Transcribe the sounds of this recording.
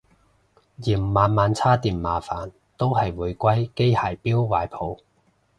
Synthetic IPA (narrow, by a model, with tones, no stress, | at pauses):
jiː˨˩m̩˨maː˨˧nmaː˨˧nt͡sʰaː˥t̪iː˨nmaː˨faː˨˥n | t̪o˥wɦɐ˨jwuː˨˧jkʷɐ˥jke˥jhaː˨˩jpiː˥wːaː˨˧jpʰo˨˧w